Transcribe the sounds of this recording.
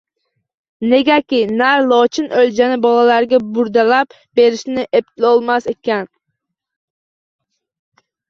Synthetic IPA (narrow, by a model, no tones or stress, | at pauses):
neɡʲakʲɪnæɾlˠɒt͡ʃʰɪnøld͡ʒanɪbɒlˠalaɾɡʲabuɾd̪alap̚ | beɾɪʃnɪʔep̚t̪ʰɪlɔlˠmasekʲɛn